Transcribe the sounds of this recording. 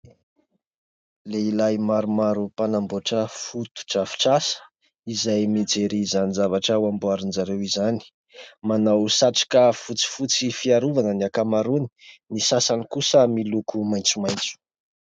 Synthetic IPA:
leilajmaɾumaɾupanamboʈ͡ʂəfut̪u̥ʈ͡ʂafi̥ʈ͡ʂasə̥ | izajmid͡zeɾizanizavaʈ͡ʂəwambuaɾinzaɾewizani̥ | manawsaʈ͡ʂi̥kəfut͡si̥fut͡sifiaɾuvanəniakamaɾuni̥nisasanikusəmilukumajnt͡sumajnt͡su̥

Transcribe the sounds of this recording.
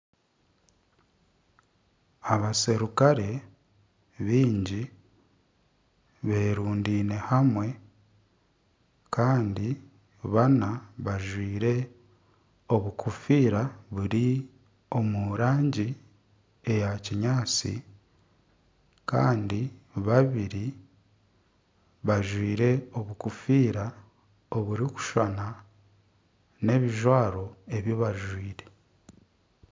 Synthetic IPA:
aβaseɾukaɾe̞ | βiːɲɟi | βe̞ːɾuːndiːne̞hamwe̞ | kʰaːndi | βanaβaʒwiːɾe̞ | o̞βukʰufiːɾaβuɾi | o̞muɾaːɲɟi | e̞jaciɲaːt͡sḭ | ka̰ːndiβaβiɾi | βaʒwiːɾe̞oβukufiːɾa | oβuɾiku̥ʃana | ne̞βiʒwaːɾo̞e̞βjoβaʒwiːɾe̞

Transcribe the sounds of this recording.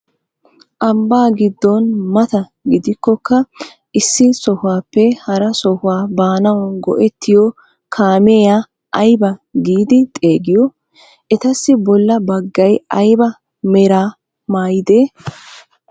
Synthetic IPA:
ʔɐmbaːɡɪd̪ːɔnmɐt̪ɐɡɪd̪ɪkːɔkːɐ | ʔɪsːɪsɔhʊwaːpːɛhɐɾɐsɔhʊwaːbaːnɐwnɡɔ̰ʔɛt̪ːɪjɔ | kʰaːmeːjaː | ʔɐjbɐɡiːd̪ɪt̪ʼe̞ːɡɪjɔ | ʔɛt̪ɐsːɪbɔlːɐbɐɡːɐjɐjbɐ | mɛɾaː | maːjɪd̪e̞ː

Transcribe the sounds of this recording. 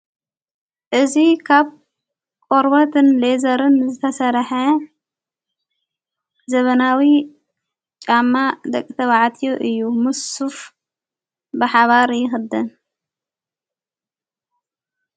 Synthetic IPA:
ʔɨzikʰaβ | kʼoɾbɐt̪ʰɨnlezɐɾɨnzɨt̪ʰɐsɐɾħɐ | zɐβɐnawi | t͡ʃʼamːad̪ɐkʼːit̪ʰɐβaʕt̪ʰijoʔɨjːumɨsuf | bɨħaβaɾjɪxɨd̪ɨn

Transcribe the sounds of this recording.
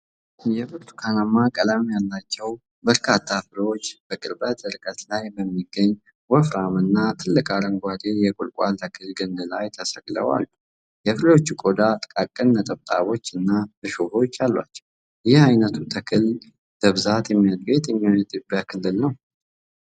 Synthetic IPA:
jɛfɨɾt̪ʰu̥kʰanamːakʼəlamjalːat͡ʃːɛw | bəɾkʰat̪ʰːafɨlo̞t͡ʃːb̥əkʼɨɾbət̪ɨɾkʼət̪lajbəmːiɡːəɲː | wɔfɾamɨnːat̪ʰɨlːɨkʼaɾəŋɡʷad̪ejɛkʼʊlkʼalt̪ʰəkʰɨlɡɨnːɨlajt̪ʰəsəɡlə̰wa̰lːu | jɛfɨlo̞t͡ʃːukʼod̪at̪ʼkʼakʼːɨnːət̪ʼəβt̪ʼa̰βo̞t͡ʃːɨnːabɨʃoho̞t͡ʃːalːa̰t͡ʃːɛw | jɪhajnət̪ʰut̪ʰəkʰɨl | d̪əβɨzat̪jɛmːiad̪be̞t̪jɛmːioɛt̪ʼɪbjakʰɨlːɨlnəw

